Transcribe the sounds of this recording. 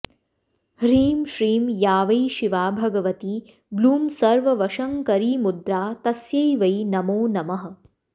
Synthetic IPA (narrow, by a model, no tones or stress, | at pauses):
ɾiːmʃɾiːmjaːʋɐjʃiʋaːbʱɐɡɐʋɐt̪i | bluːmsɐɾʋɐʋɐʃɐŋkɐɾiːmud̪ɾaːt̪ɐsjɐjʋɐjnɐmoːnɐmɐɦɐ̆